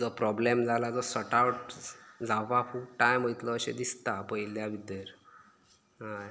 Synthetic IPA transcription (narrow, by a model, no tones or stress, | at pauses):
d͡zɔpɾɔblemd͡zalad͡zɔsəʈawʈ̚d͡zaʋafukʈajməjt̪ləːɕḛd̪ist̪apəjljaʋid̪əɾ | ɦaj